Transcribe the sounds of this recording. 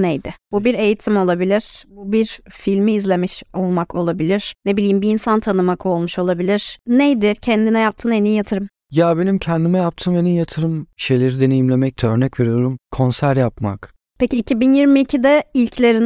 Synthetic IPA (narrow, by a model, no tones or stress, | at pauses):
nejd̪ɪbubiɾe̞jit̪ʰimo̞lˠabilʲiɾ̥bubiɾfilʲmiːzlʲe̞miʃo̞lˠmakʰo̞lˠabilʲiɾ̥nebilʲiːmbiːnsant̪ʰanɯmakʰo̞lˠmuʃo̞lˠabilʲiɾ̥nejd̪ɪcʰɛnd̪inɛjap̚t̪ʰɯːnenijat̪ʰɯɾɯm | jabe̞nimcʰɛnd̪imɛjap̚t̪ʰɯːmenijat̪ʰɯɾɯmʃe̞jlʲeɾid̪e̞nejimlʲe̞mɛc̚t̪ʰɛøɾnɛcve̞ɾijo̞ɾumkʰo̞nsæɾjapma̰k | pʰeciːcʰibinjiɾmiicʰid̪ɛilʲclʲe̞ɾin